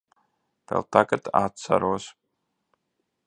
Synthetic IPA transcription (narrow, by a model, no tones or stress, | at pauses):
pɛ̰lˠt̪ʰakat̪ʰatt͡sʰa̰ɾuɔs